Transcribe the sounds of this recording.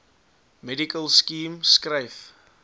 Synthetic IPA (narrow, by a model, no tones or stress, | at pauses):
mɛdikəlˠskiːmskrəjf